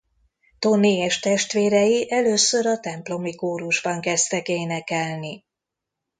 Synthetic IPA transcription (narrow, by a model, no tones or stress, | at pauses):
t̪o̞niɛʃt̪ɛʃt̪ʋeːɾɛjiʔɛløːsːø̞ɾɒt̪ɛmplo̞mikoːɾuʒbɒŋkɛst̪ɛkeːnɛkɛlni